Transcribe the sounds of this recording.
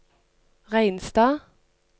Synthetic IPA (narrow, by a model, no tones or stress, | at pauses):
ʁæɪnst̪ɑː